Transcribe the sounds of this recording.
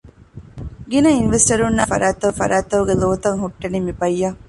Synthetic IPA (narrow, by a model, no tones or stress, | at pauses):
ɡinɐinʋesʈɐɾunːɐfɐ̰ɾʔaːt̪ɐufɐ̰ɾʔaːt̪ɐuɡeloːt̪ɐŋɦuʈːɐnimibɐjːɐ